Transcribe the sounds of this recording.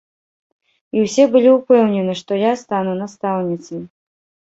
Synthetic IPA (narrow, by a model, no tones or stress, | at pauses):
iwsʲɛbɨlʲiupɛwnʲɛnɨʂt̪ɔjast̪anunast̪awnʲit̪sɨj